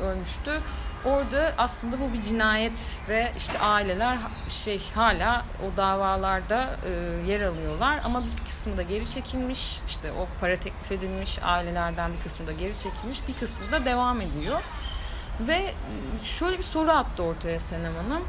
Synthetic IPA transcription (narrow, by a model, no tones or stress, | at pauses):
ølʲmyʃt̪yoɾd̪aʔaslˠɯnd̪abubid͡ʒinaːjɛt̪vɛʔḭʃt̪ʰɛʔaːilʲe̞lʲæɾɦ | ʃejhaːlʲaː | od̪aːvaːlˠaɾd̪aɯːjeɾalˠɯjo̞lˠaɾa̰mabikʰɯ̥smd̪aɟe̞ɾit͡ʃʰe̞cʰilʲmiʃiʃt̪ʰɛʔopʰaɾat̪ʰɛclʲife̞d̪ilʲmiʃa̰ːilʲe̞lʲæɾd̪ænbikʰɯsmɯd̪aɟe̞ɾit͡ʃʰe̞cʰilʲmiʃbikʰɯsmɯd̪ad̪e̞vame̞d̪ijo̞ | vɛ | ʃø̞jlʲebiso̞ɾuat̪ːɯo̞ɾt̪ʰajasenemanɯm